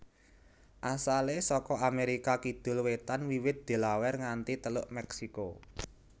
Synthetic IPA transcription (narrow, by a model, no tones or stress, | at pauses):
ʔasalesɔkɔameɾikakid̪̥ʊ̤lwet̪anwiwɪt̪̚d̪̥e̤lawɛrŋant̪it̪əlʊʔmɛksiko